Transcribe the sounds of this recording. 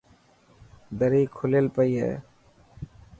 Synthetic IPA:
d̪əɾiːkʰʊleːlpəiːɦḛː

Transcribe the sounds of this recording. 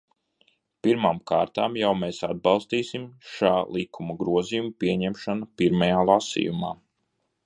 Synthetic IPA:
piɾmaːmkaːɾt̪aːmjawmeːsad̪̚bɑlˠst̪iːsimʃaːlˠikʰumɐɡɾuɔzijumpiɛɲɛmʃanapiɾmajaːlˠasḭjuma̰ː

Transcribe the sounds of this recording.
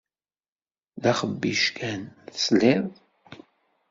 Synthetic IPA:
ðaχəbːiʃkʰænθəsleð

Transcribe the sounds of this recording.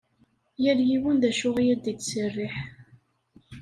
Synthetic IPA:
jæljiwənðæʃʊʁijæd̪it̪sərːɪħ

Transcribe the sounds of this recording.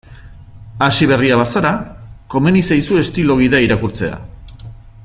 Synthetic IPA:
asiβ̞e̞riaβasaɾako̞me̞nisajsue̞st̪ilo̞ɣ̞iðaiɾakuɾt͡se̞a̰

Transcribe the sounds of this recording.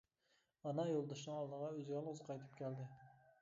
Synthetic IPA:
ɑnɑjolˠd̪ɑʃnɨŋɑlˠd̪əʁɑøzɡʲælˠʁʊzqʰɑjt̪ʰɨ̥p̚kʲʰæld̪ɪ

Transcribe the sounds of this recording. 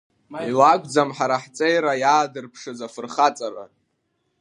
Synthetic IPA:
ilaɡʷʼd͡zamħaɾaħt͡sʼejɾajaːdɨrpʰʂɨzafɨrχat͡sʼaɾa̰

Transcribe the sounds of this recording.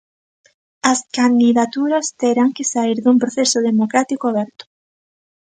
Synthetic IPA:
ɐskand̪iðat̪uɾɐst̪eɾaŋkesaiɾðumpɾoθesʊðemokɾat̪ikoaβɛɾt̪ʊ̥

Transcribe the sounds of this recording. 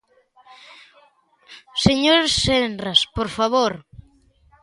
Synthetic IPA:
seɲoɾssenraspoɾfaβoɾ

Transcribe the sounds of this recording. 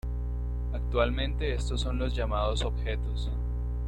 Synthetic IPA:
ak̚t̪walmẽ̞nt̪e̞est̪osːo̞nlozʝamaðoso̞bxe̞t̪os

